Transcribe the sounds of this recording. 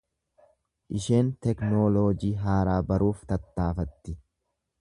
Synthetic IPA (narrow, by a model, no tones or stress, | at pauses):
ʔɪʃe̞ːnt̪ɛknoːloːd͡ʒiːɦaːɾaːbɐɾuːft̪ɐt̪ːaːfɐt̪ːɪ